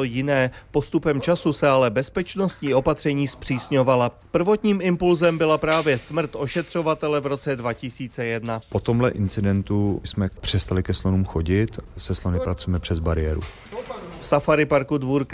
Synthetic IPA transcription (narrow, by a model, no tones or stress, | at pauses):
ojɪnɛːpo̞st̪upɛmt͡ʃasusɛalɛbɛspɛt͡ʃno̞st̪ɲiːʔo̞pat̪r̝̥ɛɲiːspr̝̥iːsɲovalapr̩vo̞t̪ɲiːmɪmpulzɛmbɪlapɾaːvjɛsmr̩t̪ʔo̞ʃɛt̪r̝̥o̞vat̪ɛlɛvɾo̞t͡sɛdvacɪsiːt͡sɛjɛdnapo̞t̪o̞mlɛ̰ʔɪnt͡sɪdɛnt̪usmɛpr̝̥ɛst̪alɪkɛslonuːmxoɟɪt̪sɛslonɪpɾat͡sujɛmɛpr̝̥ɛzbaɾɪjɛ̰ːɾṵ | fsafaɾɪpaɾkudvuːɾk